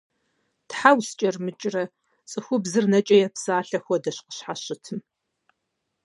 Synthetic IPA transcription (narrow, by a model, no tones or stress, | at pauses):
tħawst͡ʃʼɐrmɨt͡ʃʼrɐ | t͡sʼɨxʷʊbzɨrnɐt͡ʃʼɐjɛpsaːɬɐxʷɔdɐɕqə̥ɕħaɕɪtʰɨm